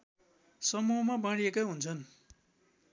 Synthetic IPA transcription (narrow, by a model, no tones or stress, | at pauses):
sʌmuʌmabãɽiekaɦunt͡sʰʌn